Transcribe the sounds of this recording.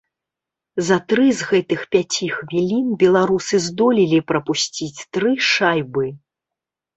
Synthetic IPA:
zɐt̪ɾɨzɣɛt̪ɨxpʲat͡sʲixvʲilʲinbʲɛlˠaɾusɨzd̪ɔlʲilʲipɾɐpusʲt͡sʲit͡sʲt̪ɾɨʂajbɨ

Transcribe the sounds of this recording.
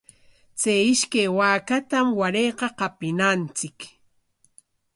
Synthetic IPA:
t͡sajɪʃkajwaːkat̪amwaɾejqɑqɑpɪnant͡sɪk

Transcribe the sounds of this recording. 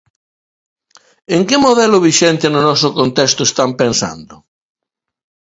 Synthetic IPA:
eŋkemoðɛlʊβiʃɛnt̪enʊnɔsʊkont̪ɛst̪ʊest̪ampensa̰nd̪ʊ

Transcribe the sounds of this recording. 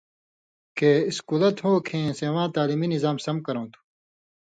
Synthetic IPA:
keːiskulɐt̪ɦoːkʰẽːsewãːt̪aːliminizaːmsɐm̚kɐɾõːt̪ʰu̥

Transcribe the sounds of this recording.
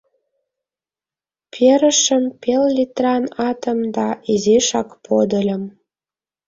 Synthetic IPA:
pʲʰeɾə̆ʃə̆mpellʲit̪rɑnɑt̪ə̆md̪ɑiziʃɑkpʰod̪əlʲə̆m

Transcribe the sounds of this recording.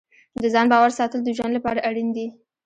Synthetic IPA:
d̪əzɑnbɑwaɾsɑt̪əld̪əʒwanlapɑɾaʔaɽind̪i

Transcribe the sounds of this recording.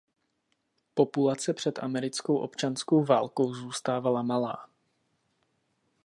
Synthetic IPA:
po̞pulat͡sɛpr̝̥ɛt̪ʔa̰mɛɾɪt͡skowʔo̞̰pt͡ʃansko̞wvaːlko̞wzuːst̪aːvalamalaː

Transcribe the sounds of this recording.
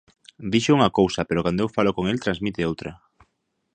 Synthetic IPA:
d̪iʃouŋɐkowsɐpeɾokand̪oewfalokoŋelt̪ɾanzmit̪ɪowt̪ɾɐ

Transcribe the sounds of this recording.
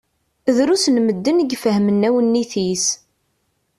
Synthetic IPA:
ðɾusnməd̪ːənəɡfəhmənːæwənːiθis

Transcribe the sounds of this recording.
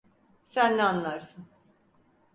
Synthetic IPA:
sænːɛanlˠaɾsɯn

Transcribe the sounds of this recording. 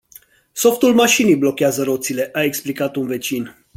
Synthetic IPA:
so̞ft̪ulmaʃinijblo̞kʲeazəɾo̞t̪sile̞ʔae̞ksplikat̪unve̞t͡ʃin

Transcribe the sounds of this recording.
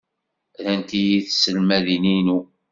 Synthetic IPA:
ðænt̪ijiθsəlmæðininu

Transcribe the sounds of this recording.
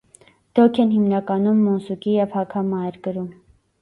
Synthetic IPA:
d̪̥ɔkʰɛnɦimnɑkɑnumːɔnsukijɛvhɑkʰɑmɑjɛɾkəɾum

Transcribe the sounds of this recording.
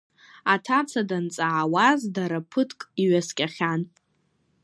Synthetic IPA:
atʰat͡sʰadant͡sʼaʕːwazdaɾapʰɨtʰkʼiɥaskʲʼaχʲan

